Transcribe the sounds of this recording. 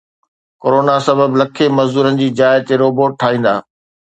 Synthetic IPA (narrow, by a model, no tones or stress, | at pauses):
koːɾoːnasɐbəblɐkʰemɐzd̪uːɾənɪ̆d͡ʑiːd͡ʑaːɪt̪eɾoːboːʈ̚ʈʰaːɦĩːn̆d̪a̰ː